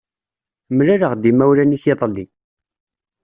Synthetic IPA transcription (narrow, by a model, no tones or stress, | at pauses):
mlaɾəʁd̪imæwɾæniçeðˤli